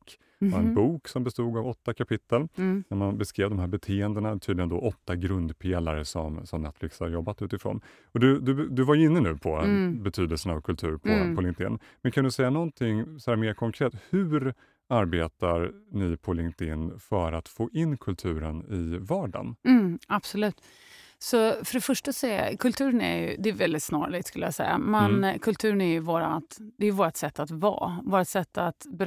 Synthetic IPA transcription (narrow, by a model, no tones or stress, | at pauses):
k | ɛnbuːksɔmbɛst̪uːɡavɔt̪ːakʰapʰɪt̪ːəlnæɾmanbɛskɾeːvd̪ɔmɦæːɾbɛt̪ʰeːɛnd̪ənat̪ʰyːd̪ɪjənd̪ɔʔɔt̪ːaɡɾɵnd̪pʰeːlaɾəsɔmsɔmnɛt̪flɪkshaɾjɔbːat̪ʉ̟ːt̪ɪfɾo̰ːn | ɔd̪ɵd̪ɵd̪ɵvajɵɪnːənʉ̟ːpʰɔbɛt̪ʰyːd̪əlsənavkʰɵlt̪ʰʉ̟ːɾpʰɔppʰɔlɪŋkt̪ɪ̰nː | mɛnkʰand̪ɵsɛjːanɔnt̪ʰɪŋːsɔhæːɾmeːɾkʰɔŋkʰɾeːt̪hʉ̟ːɾ | aɾbeːt̪aɾnɪpʰɔlɪŋt̪ɪnfœɾat̪foːʔɪnːkʰɵlt̪ʰʉ̟ːɾənɪvɑːɖa̰nm̩ːab̥sɔlʉ̟ːt̪ | sɔfœɖɛfœʂʈasɛkʰɵlt̪ʰʉ̟ːɾənɛ̰ɾjɵ̰d̪ɛːvɛld̪ɪt̪snɑ̰ːɾɭɪɡt̪skɵləja̰sɛ̰jːa̰mɛnkʰɵlt̪ʰʉ̟ːɾnæɾjɵvoːɾat̪d̪ɛjɵvoːɾat̪sɛt̪ːat̪vɑ̰ːvoːɾat̪sɛt̪ʰːat̪bɛ